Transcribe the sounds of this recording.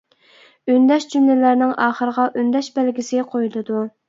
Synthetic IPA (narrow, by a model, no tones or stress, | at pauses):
ynd̪ɛʃd͡ʒymlɪlæɾnɪŋɑːχəɾəʁɑʔynd̪ɛʃbælɡʲisɪqʰojulˠɨd̪u